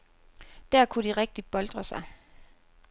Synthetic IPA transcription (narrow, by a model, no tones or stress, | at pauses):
d̥æɐ̰kʰuɾ̥iʁɛɡ̥̚d̥ib̥ɒ̽ld̥ʁɐsɑ̈ɪ